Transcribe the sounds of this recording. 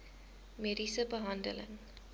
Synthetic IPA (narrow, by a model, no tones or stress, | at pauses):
meɾisəbəɦãndə̰lə̰̃n